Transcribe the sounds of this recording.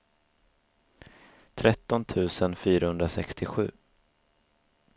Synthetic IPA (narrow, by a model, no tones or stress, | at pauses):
t̪ʰɾɛt̪ːɔnt̪ʰʉ̟ːsənfyːɾahɵnd̪ɾasɛkst̪ʰɪɧʉ̟ː